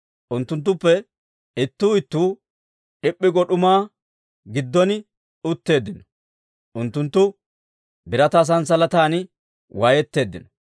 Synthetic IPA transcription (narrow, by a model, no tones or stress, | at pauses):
ʔʊnt̪ːʊnt̪̬ːʊpːɛ | ɪt̪ːuːɪt̪ːuː | ᶑɪpʼːɪɡɔɗʊmaː | ɡɪd̪ːɔnɪ | ʊt̪ːe̞ːd̪ːɪnɔ̥ | ʔʊnt̪ːʊnt̪ːʊ | bɪɾɐt̪ɐs̬ɐns̬ɐlɐt̪aːnɪ | wajɛt̪ːe̞ːd̪ːɪnɔ